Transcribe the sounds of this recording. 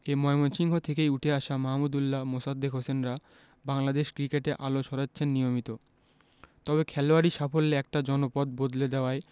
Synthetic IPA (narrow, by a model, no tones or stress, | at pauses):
emɔemonʃiŋɦot̪ʰekejuʈʰeaʃamaɦmud̪ulːamosad̪ːekɦosenɾa | baŋlad̪eʃkɾikeʈeʔaloʃɔɾatːɕʰenːijomit̪o | t̪ɔbekʰɛloaɾiʃafolːeɛk̚ʈad͡ʑɔnopɔd̪bod̪led̪ɛoae